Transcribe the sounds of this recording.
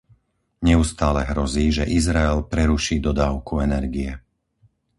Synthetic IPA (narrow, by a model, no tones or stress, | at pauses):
ɲɛust̪aːlɛɦɾɔziːʒɛʔizɾaɛlpɾɛɾuʃiːd̪ɔd̪aːʊkuɛnɛɾɡiɛ